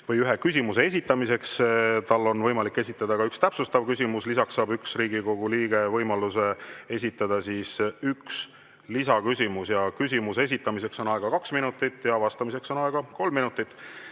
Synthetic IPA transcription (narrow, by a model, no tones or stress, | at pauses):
vɤjyɦe̞kys̬ʲimuse̞e̞s̬ʲit̪ːˑɑmise̞kst̪ɑlːo̞nvɤjmɑlikːe̞sʲit̪ːˑɑd̪̥ɑkɑykst̪æpsust̪ɑvkys̬ʲimuslis̬ɑksːɑːbyksriːɡ̥iko̞ɡ̥uliːɡ̥e̞vɤjmɑluse̞e̞sʲit̪ːˑɑd̪̥ɑsisyks | lisɑkysʲimusjɑkys̬ʲimuses̬ʲit̪ːˑɑmis̬e̞kso̞nɑeɡ̥ɑkɑksminut̪ːˑit̪ːˑjɑvɑst̪ɑmise̞kso̞nɑeɡ̥ɑko̞lmːinut̪ˑːit̪ːˑ